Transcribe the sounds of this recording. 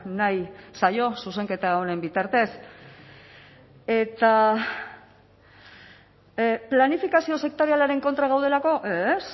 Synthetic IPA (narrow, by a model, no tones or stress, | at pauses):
najsajo̞suse̞ŋke̞t̪aone̞mbit̪aɾt̪e̞s | e̞t̪a | planifikasio̞se̞k̚t̪oɾialaɾe̞ŋko̞nt̪ɾaɣ̞awðe̞lako̞ʔes